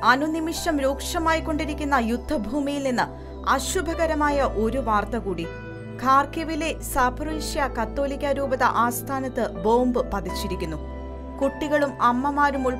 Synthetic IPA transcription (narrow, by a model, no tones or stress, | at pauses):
ɐnunimiʂjɐmɾoːkʂɐmaːjikːo̞ɳɖiɾikʲːunːɐjud̪ʱːɐbʱuːmijilninːɨ | ɐɕubʱɐɣɐɾɐmaːjɐʔo̞ɾuʋaːrt̪ɐkuːɽi | kʰaːrkjɐʋile̞saːbʱriːʂjɐkɐt̪ːo̞ːlikʲːɐɾuːbɐðɐ̰ʔaːst̪ʰaːnɐt̪ːɨbo̞ːmbɨpɐd̪it͡ɕːiɾikʲːunːu | kuʈːiɣɐɭumɐmːɐmaːɾumuɭ